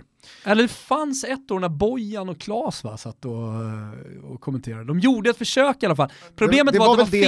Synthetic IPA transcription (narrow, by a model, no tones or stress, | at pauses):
ɛlːəɖ̪ɛfansɛt̪ːoːɳæbɔjːanɔkʰlɑːsva̰sat̪ːɔ | ɔ̰kʰɔmɛnt̪ʰeːɾad̪əd̪ɔmjuːɖəɛt̪fœʂøːkɪalːafalːpʰɾʊbleːmət̪vaɾtd̪ɛva